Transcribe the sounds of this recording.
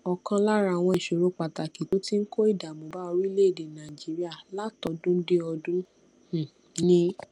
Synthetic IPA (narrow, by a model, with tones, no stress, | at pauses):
ɔ˧˨kã˧la˦ɾa˧˨w̃ɔ̃˧i˨ʃo˨ɾo˧˦k͡pa˨ta˨ki˨to˨˦ti˦ŋ̩˦ko˦i˦˨da˨mõ˨ba˦o˧ɾu˦i˦le˦e˦˨de˨nã˨i˨d͡ʒi˨˦ɾi˦a˦˨la˦tɔ˧dũ˦n̩˦de˦ɔ˧dũ˦ | h̩˨ | nĩ˦